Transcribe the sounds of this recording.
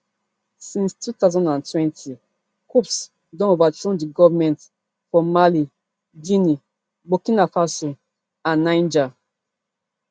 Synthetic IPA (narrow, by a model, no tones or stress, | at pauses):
sĩnstʰutazɔ̃ndãntʰwɛ̃ntʰi | kups | dɔ̃novatɹɔ̃ndiɡɔvamɛ̃nt | fɔmali | d͡ʒĩni | bokĩnafaso | ãnːãɪ̃nd͡ʒa